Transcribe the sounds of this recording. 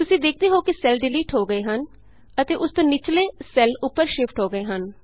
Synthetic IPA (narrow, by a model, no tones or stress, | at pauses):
t̪ʊsĩːd̪eːk̚ʰd̪eːɦoːkisɛlɖɪliːʈɦoːɡəeːɦən | ət̪eːʔʊst̪õːnɪt͡ʃleːsɛlʊpːəɾʃɪfʰʈɦoːɡəeːɦən